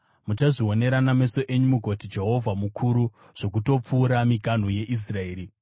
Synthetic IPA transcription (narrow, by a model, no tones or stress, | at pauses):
mut͡ʃaʐio̞ne̞ɾaname̞so̞ʔe̞ɲumuɡʱo̞tid͡ʒe̞ɦo̞vʱamukʰuɾu | ʐ̥o̞kuto̞p͡fuːɾamiɡʱan̤uje̞ʔis̬rae̞ːɾi